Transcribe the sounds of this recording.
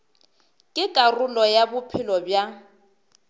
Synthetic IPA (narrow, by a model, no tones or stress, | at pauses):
kʼɪkʼarʊlɔjabʊpʰɪlɔbja